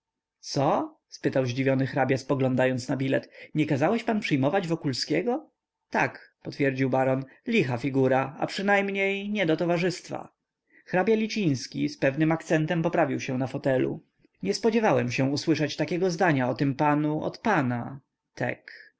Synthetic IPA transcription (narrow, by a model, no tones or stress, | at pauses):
t̪sɔ | spɘt̪awʑd͡ʑivʲjɔnɘxɾabʲjaspɔɡlɔnd̪ajɔnt̪snabʲilɛt̪ɲɛkazawɛɕpanpʂɘjmɔvad͡ʑvɔkulskʲɛɡɔ | t̪akpɔt̪fʲjɛɾd͡ʑiwbaɾɔnlʲixafʲiɡuɾaa̰pʂɘnajmɲejɲɛd̪ɔt̪ɔvaʐɘst̪fa̰ | xɾabʲjalʲit͡ɕĩj̃skʲḭspɛvnɘmak̚t̪sɛnt̪ɛmpɔpɾavʲiwɕɛ̃nafɔt̪ɛlṵ | ɲɛspɔd͡ʑɛvawɛmɕɛ̃uswɘʂat͡ɕt̪akʲɛɡɔzd̪aɲaɔt̪ɘmpanuʔɔ̰t̪pana | t̪ʰɛ̰k